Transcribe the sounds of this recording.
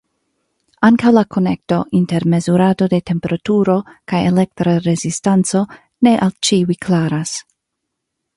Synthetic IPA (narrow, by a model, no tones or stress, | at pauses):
aŋkawlakʰo̞ne̞k̚to̞ʔinte̞ɾme̞zuɾado̞de̞te̞mpe̞ɾatuɾo̞kajele̞k̚t̪ɾaɾe̞zistant͡so̞ | ne̞ʔalt͡ʃiuijkʰlaɾas